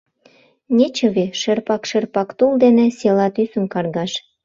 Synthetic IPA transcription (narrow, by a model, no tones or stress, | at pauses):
nʲet͡ɕə̆βeʃerpɑkʃerpɑkt̪uld̪enĕselɑt̪ysə̆mkɑrɣɑʃ